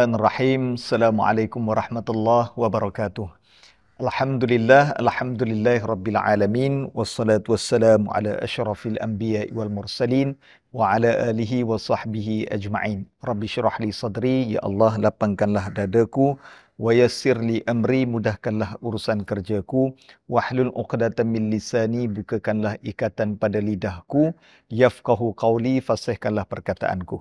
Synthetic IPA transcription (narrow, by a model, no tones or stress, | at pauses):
anarˤːɑħiːmasːalaːmuʕa̰lajkʊmwaɾˤɑħmat̪alˤːɑhwabaɾˤɑkaːt̪ʊh | ʔalħamd̪ulɪlːaɦa̰lħamd̪ulɪlːaːhɾˤɑbːɪlʕa̰ːlamiːnwɑsːɑlaːt̪uwasːalaːmʕa̰la̰ʔa̰ʃɾˤɑfalʔa̰mbijaːʔiwalmʊɾsaliːn | waʕalaːʔaːliɦiwɑsˤɑħbiɦiʔa̰d͡ʒma̰ʕiːnrˤɑbːɪʃɾɑħlisˤɑdɾija̰ʔɑ̰lːɑhlapaŋkanlahdadaku | wajasɪrliʔamɾimudahkanlahuɾusankərd͡ʒakuwaħlulʔʊ̰qdat̪mɪnlisanibukakanlahʔikat̪anpadalidahku | jafqɑɦuqɑwlifasɛhkanlahpərkat̪a̰ʔa̰nku